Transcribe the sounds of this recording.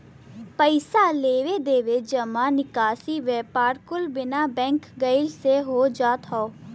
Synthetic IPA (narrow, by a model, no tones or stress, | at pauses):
pəɪsaːleːʋeːd̪eːʋɪt͡ʃd͡ʒəmaːnɪkaːsiːʋɛːpaːɾkʊlbɪnaːbɛ̃ːŋkɡəɪlseɦoːd͡ʒaːt̪ɦaoː